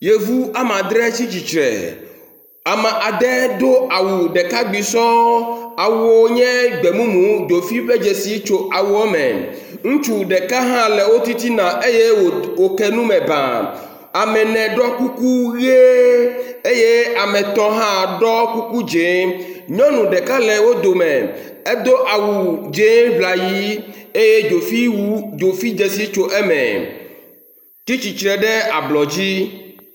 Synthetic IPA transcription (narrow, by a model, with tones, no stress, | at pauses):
je˨vu˦a˦mã˨d̪ɾɛ˦t͡ɕi˦t͡ɕi˨t͡ʃɾɛ̰˨ | a˨mã˨ʔa˨d̪ɛ˦d̪o˦a˨wu˨ɖɛ˨ka˦ɡ͡bi˨sɔ˦a˨wu˨ɔ˦ɲɛ̃˦ɡ͡bɛ˨mũ˦mũ˨˦d̪o˨fi˦ɸe˦d͡ʒe˨si˨t͡ʃo˨a˨wu˨ɔ˦mɛ̰̃˨ | ŋũ˦t͡ʃu˨ɖɛ˨ka˦ɦã˦lɛ˨wo˦t̪i˦t̪i˦nã˨ʔe˦je˦˨wo˨kɛ˦nũ˦mɛ̃˨bã̰˨ | a˨mɛ̃˨nɛ̃˨ɖɔ˦ku˦ku˦ɣe˦ | e˦je˦a˨mɛ̃˨t̪ɔ̃˦ɦã˦˨ɖɔ˦ku˦ku˦d͡ʒe˨˦ɲɔ̃˦nũ˨ɖɛ˨ka˦lɛ˨wo˦d̪o˨mɛ˨ | e˦d̪o˦ʔa˨wu˨d͡ʒe˨˦vla˨ji˦e˦je˦d͡ʒo˨fi˦d͡ʒo˨fi˦d͡ʒɛ˨si˦t͡ʃo˦ʔɛ˦mɛ̰̃˨ | t̪i˦t͡ɕi˨t͡ʃɾɛ˨ɖɛ˦a˨blɔ˨d͡ʑi˦